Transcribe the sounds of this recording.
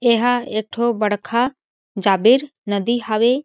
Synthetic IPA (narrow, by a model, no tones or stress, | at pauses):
eɦaek̚ʈʰobəɽkʰa | d͡ʒaːbɪɾ | nəd̪iɦaʋe